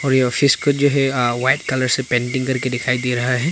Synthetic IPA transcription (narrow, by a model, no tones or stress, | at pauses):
ɔɾjeɔfʰiskod͡ʒoɦɛwajʈ̚kɐləɾsepɛ̃ɳʈɪ̃ŋkɐɾkeɖɪkʰaid̪iɾɐɦaɦɛ